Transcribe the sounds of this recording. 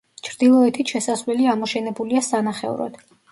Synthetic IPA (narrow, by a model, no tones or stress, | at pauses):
t͡ʃʰɾd̪̥ilˠɔɛt̪ʰiʃɛsasvlɛliamɔʃɛnɛbuliasanaχɛ̰uɾɔ̰d̪̥